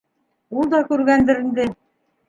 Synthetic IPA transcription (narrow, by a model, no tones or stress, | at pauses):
ulˠd̪ɑkʉɾɡænd̪ɘ̆ɾind̪ɘ